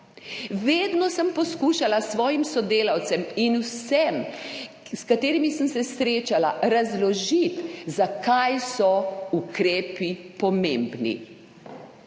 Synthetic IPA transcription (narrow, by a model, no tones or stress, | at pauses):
ʋeːd̪nɔsəmpɔskuːʃalasʋɔːjimsɔd̪eːlawt̪sɛminuwsɛm | skat̪eːɾimisəmsɛsɾeːt͡ʃalaɾazlɔʒit̪zakajsɔukɾeːpipɔmẽːmbnḭ